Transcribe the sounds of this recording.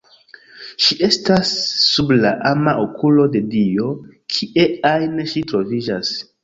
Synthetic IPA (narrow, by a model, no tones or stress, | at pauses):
ʃiʔe̞stasːublaʔamaʔokulo̞de̞dio̞kʰiʔeajnʃitɾo̞vid͡ʒas